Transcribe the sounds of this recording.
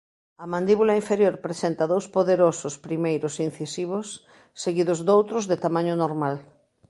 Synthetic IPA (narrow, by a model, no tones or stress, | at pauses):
ɐmãnd̪iβulaiɱfeɾjoɾpɾesent̪ɐðowspoðeɾosʊspɾimejɾʊsin̟θisiβ̞ʊsː | eɣiðʊzd̪owt̪ɾʊzðet̪amaɲʊnoɾmal